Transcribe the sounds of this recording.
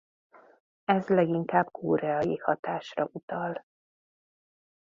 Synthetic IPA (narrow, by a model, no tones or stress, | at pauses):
ɛzlɛɡiŋkaːbkʰoːɾɛɒjihɒt̪aːʃrɒʔut̪ɒl